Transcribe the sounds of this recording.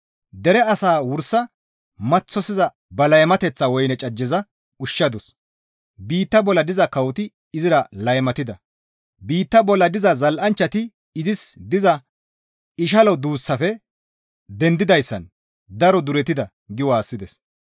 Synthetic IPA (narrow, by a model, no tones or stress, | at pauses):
d̪ɛɾɛɐsaːwʊɾsɐ | mɐt͡sːɔsɪzɐ | bɐlɐjmɐt̪ɛt͡sːɐwɔjnɛt͡ʃʼɐd͡ʒːɛzɐ | ʊʃːɐd̪ʊs | biːt̪ːɐbɔlːɐd̪ɪzɐkɐwt̪ɪ | ɪzɪɾɐlɐjmɐt̪ɪd̪ɐ | biːt̪ːɐbɔlːɐd̪ɪzɐzɐlʔɐnt͡ʃːɐt̪ɪ | ɪzɪsd̪ɪzɐ | ɪʃ̬ɐlɔd̪uːsːɐfɛ | d̪ɛnd̪ɪd̪ɐjsːɐ̰n | d̪ɐɾɔd̪ʊɾɛt̪ɪd̪ɐ | ɡɪwaːsːɪd̪ɛs